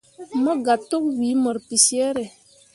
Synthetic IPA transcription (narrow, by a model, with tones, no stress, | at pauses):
mɔ˦ɡa˨tːo˦k̚wi˨˦mɔ˨ɾpi˨se˦ɾe˨